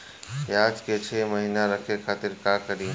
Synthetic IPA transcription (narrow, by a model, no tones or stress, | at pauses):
aːd͡ʒket͡ʃʰeːməɦiːnaɾəkʰekʰaːt̪ɪɾkaːkəɾiː